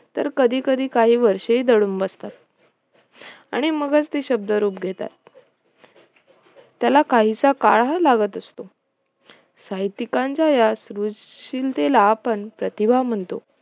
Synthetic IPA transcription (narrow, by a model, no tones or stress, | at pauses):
t̪əɾkəd̪ʱiːkəd̪ʱiːkaɦiːʋəɾʂəiːd̪əɽuːmʋəst̪at̪̚ | aɽ̃iməɡət͡st̪eɕəb̚d̪əɾuːpɡʱet̪a̰t̪ | jalakaɦit͡saka̰ɭalaɡət̪əst̪o | sajt̪ikãɲt͡ɕajasɾud͡zɕilt̪elaːpəɳpɾət̪ibʱam̤əɳt̪o̰